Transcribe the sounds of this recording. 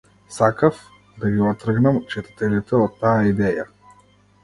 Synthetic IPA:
sakaf | d̪aɡiɔt̪ɾəɡnamt͡ʃɛt̪ḁt̪ɛlit̪ɛɔt̪ːaaid̪ɛja

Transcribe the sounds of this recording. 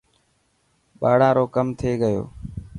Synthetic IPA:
ɓaːɽ̤ãːɾoːkəmt̪ʰeːɠəjo̰ː

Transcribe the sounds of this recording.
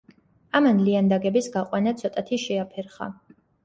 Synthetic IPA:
amanliand̪aɡɛbisɡaqʼwanat̪sʰɔt̪ʼat̪ʰiʃɛapʰɛɾχa̰

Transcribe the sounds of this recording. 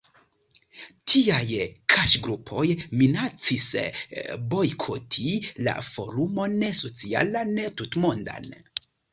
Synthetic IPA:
tʰiajkʰaʃɡɾupʰo̞jminat͡sis | bo̞jkʰotʰila̰fo̞̰ɾumo̞neso̞t͡sia̰lanetutmonda̰n

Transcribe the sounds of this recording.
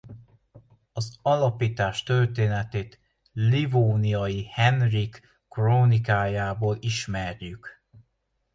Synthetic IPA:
ɒzɒlɒpiːt̪aːʃt̪ø̞rt̪eːnɛt̪eːt̪ | livoːniɒjihɛnrikː | roːnikaːjaːboːliʃmɛrjyk

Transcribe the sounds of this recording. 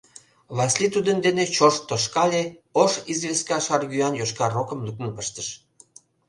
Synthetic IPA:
βɑslit̪ud̪ənd̪enet͡ɕoʃt̪oʃkɑlʲeoʃizβeskɑʃɑrɡyɑnjoʃkɑrokə̆mlyk̚nə̆npəʃt̪əʃ

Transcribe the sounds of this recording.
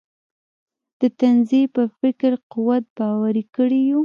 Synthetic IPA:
d̪̥ət̪anzipəfɪkɾquwat̪̚bɑwaɾikəɽiju

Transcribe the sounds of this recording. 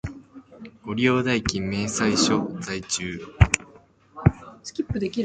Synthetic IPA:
oɾʲijo̞ːd̪aikʲĩmːẽ̞ɰ̃saiɕozait͡ɕɨː | sɨ̥kʲipːɯ̟d̪e̞kʲi

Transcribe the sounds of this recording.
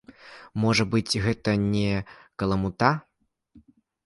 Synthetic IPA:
mɔʐɐbɨt͡sʲɣɛt̪ɐnʲɛkɐlˠɐmut̪a

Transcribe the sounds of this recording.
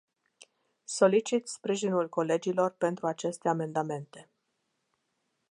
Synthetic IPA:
so̞lit͡ʃit̪spɾiʒinulko̞le̞d͡ʒilo̞rpe̞nt̪ɾuat͡ʃe̞st̪eame̞nd̪ame̞nt̪e̞

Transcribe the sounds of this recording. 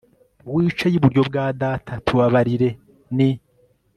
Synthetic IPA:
wiːt͡ʃejiβuɾjo̞bɡaːdaːtʰatʰuβaβaɾiɾe̞ | ni

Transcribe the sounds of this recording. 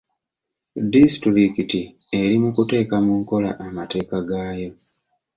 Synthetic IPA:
distɾikitie̞ɾimukute̞ːkamuŋko̞la̰ʔamate̞ːkaɡaːjo̞

